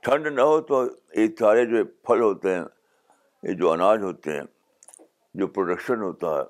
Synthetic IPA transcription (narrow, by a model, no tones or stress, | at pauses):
ʈʰɐ̃ɳɖnɐɦot̪o | ɪt̪ʰaːɾed͡ʑoːpʰɐlɦoːt̪e | ɪ̰̃d͡ʑoɐnaːd͡ʑɦoːt̪ḛ | d͡ʑopɾoːɖəkʃənɦoːt̪aːḛ